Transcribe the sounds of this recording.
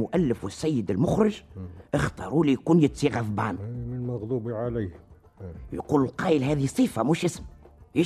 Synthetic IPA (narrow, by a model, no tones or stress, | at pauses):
mʊʔælːɪfwɪsːæjːəd̪ɪlmʊxɾɪʒʔəxt̪ɑːɾˤulijkuːnjɪt̪ːiɣæfba̰ːnmənmɑɣd̪ˤubiʕalijh | jquːllqɑːjəlɦæːðiisˤiːfamuːʃɪsmjɪ